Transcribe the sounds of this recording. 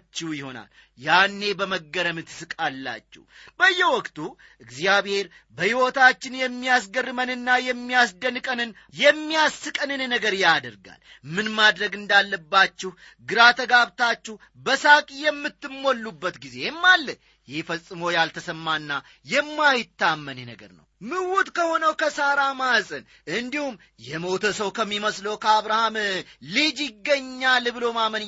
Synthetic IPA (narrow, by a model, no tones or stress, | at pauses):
t͡ʃːɛjɪho̞na̰l | janːe̞bəməɡːəɾəmɨt̪ʰːɨ̥sɨkʼalːa̰t͡ʃːɛ̰wbəjːɛwɔkt̪ʰu | ʔɨɡzijaβhe̞ɾ | bəhiwot̪ʰat͡ʃːɪnjɛmːijasɡərːɨmənɨnːajɛmːijasd̪ənɨkʼənɨn | jɛmːijasːɨkʼənɨnnːəɡəɾjad̪əɾɡa̰l | mɨnmad̪ɾəɡɨnd̪alːəbːat͡ʃːɪh | ɡɨɾat̪ʰəɡaβt̪ʰat͡ʃːɪh | bəsakʼijɛmːɨt̪ːɨmːo̞lːubːət̪ɡize̞mːalːə | jihfəsʼɨmojalt̪ʰəsəmːanːa | jɛmːajɪt̪ːamːənenə̰ɡə̰ɾnə̰wmɨwɔt̪kʰəho̞nəwkʰəsaɾamasʼɨn | ʔɨnd̪ihum | jɛmot̪ʰəsəwkʰəmːiməsləwkʰəaβɾahamlid͡ʒiɡːəɲːalɨβlo̞mamən